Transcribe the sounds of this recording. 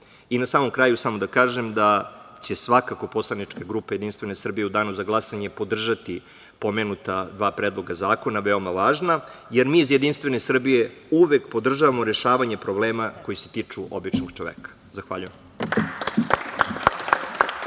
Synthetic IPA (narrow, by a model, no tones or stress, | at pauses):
inasaːmo̞mkɾaːjusamo̞d̪akaːʒe̞md̪at͡ɕe̞sʋakako̞po̞slˠanit͡ʂkaɡɾuːpaje̞d̪inst̪vʋe̞ne̞sr̩bije̞ud̪aːnuzaɡlˠasaɲe̞po̞d̪r̩ʒat̪i | po̞meːnut̪ad̪ʋaːpɾeːd̪lˠo̞ɡazaːko̞naʋe̞o̞maʋaːʒnajeɾmiːzjed̪inst̪ʋe̞nesr̩bije̞uʋekpo̞d̪r̩ʒaʋamo̞ɾe̞ʃaːʋaɲe̞pɾo̞bleːmako̞jiset̪it͡ʂuʔo̞̰bit͡ʃnoɡt͡ʃoʋḛːkḁ | zaxʋa̰ʎujḛm